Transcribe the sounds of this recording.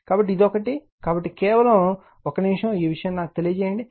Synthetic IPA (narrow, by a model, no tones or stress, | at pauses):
kaːbɐʈːid̪okɐʈi | kaːbɐʈːikɛːʋɐlɐm | okɐniʂjɐ̃miːʋiʂɐjɐːmnaːkut̪e̞lijɐt͡ʃɛːjɐɳɖi